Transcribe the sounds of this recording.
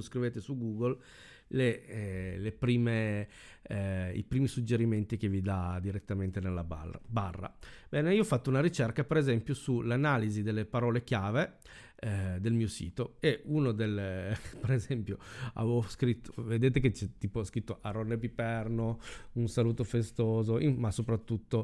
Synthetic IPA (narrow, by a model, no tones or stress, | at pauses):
oskɾiveːt̪esuɡuːɡol | le | lepɾiːme | ḭpɾiːmisud͡ʒeɾiment̪ik̟evid̪ad̪iɾet̪ːament̪enelːaba̰ra̰barːa̰bɛːneiːoɔfːat̪ːounaɾit͡ʃerkapeɾezɛmpjosulanaːlizid̪elːepaɾɔːlek̟jaːve | d̪elmiːosḭːt̪oeunod̪elpeɾezɛmpjoa̰vskɾit̪ːoved̪eːt̪eket͡ʃɛt̪ːiːposkɾit̪ːoʔaɾonːep̬ipɛrnounsaluːt̪ofest̪oːzoʔimasopɾat̪ːut̪ːo